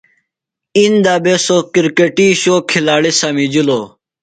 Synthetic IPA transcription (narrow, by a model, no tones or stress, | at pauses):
ind̪aːbesokiɾkeʈiːɕoːkʰilaːɽisamid͡ʑiloː